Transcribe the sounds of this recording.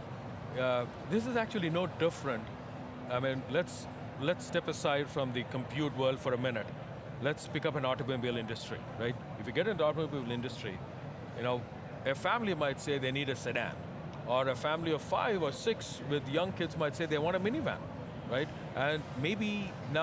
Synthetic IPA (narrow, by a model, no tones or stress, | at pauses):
jæ | d̪ɪs̬ɨzæk̚t͡ʃul̩ˠinoːɖɪfɾə̃nʈ | aɪmĩnlɛts | lɛtsʈɛpəsaɪɖfɹʌ̃mðikə̃mpʰjuːʈwəːlɖfɔɾəmɪ̃nɨʈ | lɛtspɪkʌpɨ̃nɔʈobĩbilɪ̃nɖɨsʈɹ̥ḭɹaɪʈ̚ | ɪfjɨɡɛɾɨ̃nɔʈəmobiblɪ̃nɖɨsʈɹḭ | jɨnoʊ | ɨfæ̃mlimaɪʈseɪd̪eniːɾɨsɛɖæ̰̃m | əɾəfæ̃mliɔv̥fa̰ɪvəsɪkswɪd̪jʌ̃ŋkɪdzmaɪʈseɪðeɪʋɑ̃ːnʈəmɪnivæ̰̃m | ɹaɪʈ | ʔə̃nmeɪbi | na